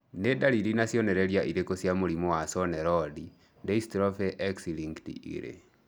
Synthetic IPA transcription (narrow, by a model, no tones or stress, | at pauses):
nedaliɾinasjɔnɛɾeɾjaʔiɾekosjamoɾimɔwasɔnɛɾɔdi | dɛistɾɔfɛʔɛksiliŋktḭʔḭɾḛ